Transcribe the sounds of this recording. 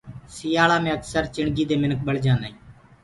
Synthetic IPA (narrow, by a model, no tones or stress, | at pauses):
sɪjaːɭaːmẽːəksəɾt͡ʃɪɳɡiːd̪eːmɪnək̚ɓəɭd͡ʒãːnaːĩː